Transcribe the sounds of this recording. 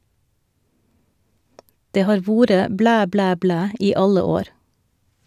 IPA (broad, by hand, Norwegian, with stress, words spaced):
ˈdeː ˈhɑːɾ ˈʋuːɾə ˈblæː ˈblæː ˈblæː ˈiː ˈɑlə ˈoːɾ